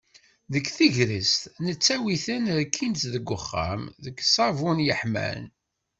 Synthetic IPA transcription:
ðəkːθiʝɾist̪nət͡sːæwiθənɾkʰːint̪ðəɡːʊχːa̰mðəkːsˤɑvunjəħmæ̰n

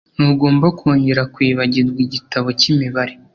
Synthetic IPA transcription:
nuɡo̞ːmbakʰoːɲɟeɾakwiːβaɟizɡwiɟitaβo̞cimiβaɾe

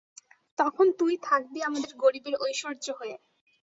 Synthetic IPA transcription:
t̪ɔkʰont̪ujt̪ʰak̚d̪iamad̪eɾɡoɾibeɾojʃoɾd͡ʑoɦoe

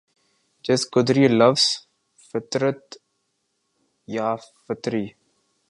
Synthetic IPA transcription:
d͡ʒʌskʊd̪ɾilɐvs | fɪt̪ɾət̪ | jafɪt̪ɾiː

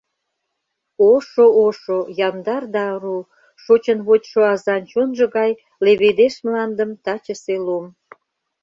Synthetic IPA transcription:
oʃooʃojɑnd̪ɑrd̪ɑɾu | ʃot͡ɕənβot̪ʲʃoɑzɑnt͡ɕonʒə̆ɣɑj | leβed̪eʃmlɑnd̪əmt̪ɑt͡ɕəselom

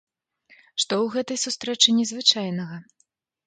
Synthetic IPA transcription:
ʂt̪ɔwɣɛt̪ɐjsust̪ɾɛt͡ʂɨnʲɛzvɨt͡ʂajnɐɣɐ

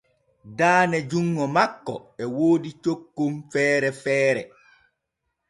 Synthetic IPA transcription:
daːnɛd͡ʒuŋːɔmakːɔ̰ɛwoːdit͡ʃokːumfɛːɾɛfɛːɾɛ

